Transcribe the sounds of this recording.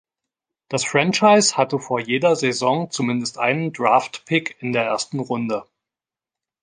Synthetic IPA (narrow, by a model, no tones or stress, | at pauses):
d̥asfʁ̥ɛnt͡ʃaɪshatəfoːɐjeːdɐzezɔŋt͡sumɪndəstʔa̰ɪnəndʁaːftpʰɪkʰɪndeːɐʔḛːɐstn̩ʁʊndə